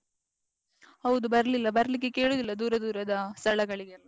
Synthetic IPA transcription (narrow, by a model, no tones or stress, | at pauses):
hɐʋud̪ubɐɾɐlilːɐbɐɾɐlik̬ːeke̞ːɭud̪ilːɐd̪uːɾɐd̪uːɾɐd̪ɐst̪ʰɐɭɐɡɐɭiɡelː